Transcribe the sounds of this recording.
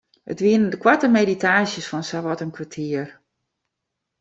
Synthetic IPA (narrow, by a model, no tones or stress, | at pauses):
ə̰tʋiənəndəkwatəmeditaːsjəsfɔnsaʋɔtənkʰʋatʰiər